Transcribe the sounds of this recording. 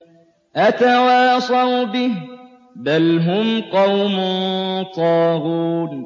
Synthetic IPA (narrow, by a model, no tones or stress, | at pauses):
ʔat̪awaːsˤɑwbɪh | balɦʊmqɑwmʊnt̪ˤɑːɾuːn